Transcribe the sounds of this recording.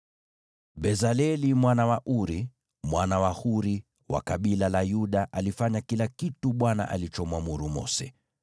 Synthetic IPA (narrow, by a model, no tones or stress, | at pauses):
ɓɛzalɛlimwanawaʔuɾi | mwanawahuɾi | wa̰kaɓilalajuɗaʔalifaɲakilakituɓwana̰ʔa̰lit͡ʃɔmwamuɾumɔ̰sɛ